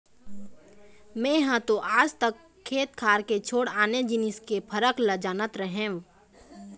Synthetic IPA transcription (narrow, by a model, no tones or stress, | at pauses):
mɛ̃jɦãt̪oʔaːd͡ʒt̪əkʰːeːt̪̚kʰaːɾket͡ʃʰoːɽaːned͡ʒɪnɪskepʰɐɾəkləd͡ʒaːnət̪ɾəɦẽː